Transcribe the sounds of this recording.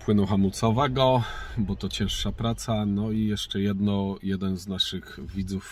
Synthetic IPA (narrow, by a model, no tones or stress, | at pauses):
pwɘnɔwxamut̪sɔvɛɡɔbɔt̪ɔt͡ɕɛ̃w̃ʂʂapɾat̪sanɔijɛʂt͡ʂɛjɛd̪nɔjɛd̪ɛnznaʂɘxvʲid̪zuf